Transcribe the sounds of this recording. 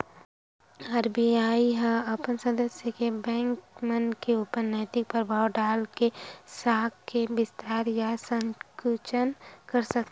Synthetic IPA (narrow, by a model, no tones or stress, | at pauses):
ɐɾbiaːiɦãɐpənsəd̪əsjəkebɛ̃ːŋkmənkeʊpəɾnɛːt̪ɪk̚pɾɾəbʱaːwɖaːlkesaːkkːebɪst̪ʰaːɾjasə̃ŋkut͡ʃənkəɾsɐk̚t̪